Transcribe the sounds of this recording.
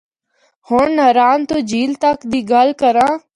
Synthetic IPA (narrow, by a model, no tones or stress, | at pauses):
hoɳnəɾaːnt̪oːd͡ʒiːlt̪əkd̪iːɡalkəɾãː